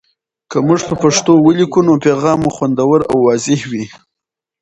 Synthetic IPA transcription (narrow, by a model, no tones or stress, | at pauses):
kəmuʐpəpaʂt̪owəlikunopeɣɑmuxwand̪awəɾa̰wːɑzɪhwi